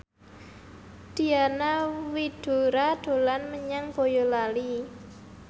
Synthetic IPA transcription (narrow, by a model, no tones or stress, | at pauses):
d̪̥i̤anawid̪̥ṳɾad̪̥o̤lanməɲaŋb̥o̤jolali